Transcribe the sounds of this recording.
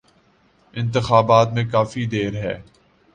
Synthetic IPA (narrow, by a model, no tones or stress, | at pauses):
ɪ̃nt̪ɪxaːbaːt̪mẽkaːfid̪eːɾɦɛ̰ː